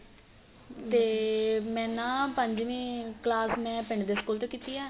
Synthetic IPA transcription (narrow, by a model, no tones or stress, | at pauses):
t̪eːmɛ̃ːnãːpə̃ɲd͡ʒʋĩːklaːsmɛ̃ːpɪɳɖd̪eːskuːlt̪eːkit̪iːaː